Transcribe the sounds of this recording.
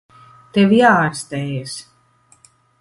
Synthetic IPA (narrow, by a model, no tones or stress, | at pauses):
t̪ɛwjaːɾst̪ɛjs